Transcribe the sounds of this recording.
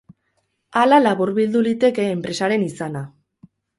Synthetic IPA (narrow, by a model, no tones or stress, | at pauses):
alalaβuɾβild̪ulit̪e̞ke̞ːmpɾe̞saɾe̞nisana